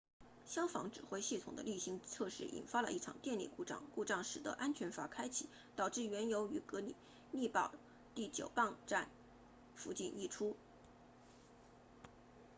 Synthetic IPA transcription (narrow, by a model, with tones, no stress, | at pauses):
ɕjɑ˥ŋfɑ̰˧˥ŋʈ͡ʂɻ̩˨˩xwe˧˥ɪɕi˥˩t̪ʰʊ˨˩ŋd̪ə̰˦ly˥˩ɕi˧˥ŋt͡sʰɤ˥˧ʂɻ̩˥˩ʔḭ˨˩nfa˥lə̰˧ʔi˥˩ʈ͡ʂʰɑ̰˨˩ŋt̪jɛ˥˧nlḭ˥˩ku˥˧ʈ͡ʂɑ̰˥˩˧ŋku˥˧ʈ͡ʂɑ˥˩ŋʂɻ̩˨˩t̪ə̰˧˥ʔa˥nt͡ɕʰɥɛ˧˥nfa˧˥kʰa˥ɪt͡ɕʰḭ˨˥˦ | t̪ɑ˨˩ʊʈ͡ʂɻ̩˥˩ɥɛ˧˥njo˧˥ʊy˧˥kɤ˧˥ni˨˩˦ | ni˥˧pɑ˥˩ʊ | t̪i˥˩t͡ɕjo˨˩ʊpɑ˥˧ŋʈ͡ʂa˥˩n | fu˧˥t͡ɕi˥˧ni˥˩ʈ͡ʂʰu˥